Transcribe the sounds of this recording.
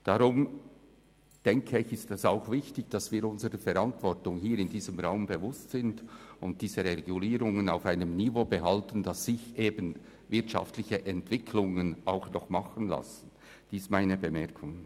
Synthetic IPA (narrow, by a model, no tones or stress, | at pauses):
d̥aʁʊm | d̥ɛŋkʰəɪçɪstɛsaʊxvɪçtɪçd̥ɑsv̥iːɾʊnzəɾəfɛɾantv̥ɔrtʊŋhiːɾɪndiːzəmʁaʊmbevʊstsɪndʊnt̚d̥iːzəʁeʁeɡuliːɾʊŋənaʊfaɪnəmnivoːbəɦaltən̩dɑsːɪçʔeːbən | vɪɐtʃa̰ftlɪçəʔɛntv̥ɪkʰlʊŋənaʊxnɔχmɑχən̩la̰sən̩ | d̥iːsmaɪnəbəmɛɐkʰʊŋ